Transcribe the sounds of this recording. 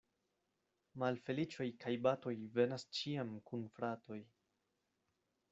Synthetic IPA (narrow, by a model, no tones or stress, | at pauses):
malfe̞lit͡ʃo̞jkʰajbato̞jve̞nast͡ʃiamkunfɾato̞j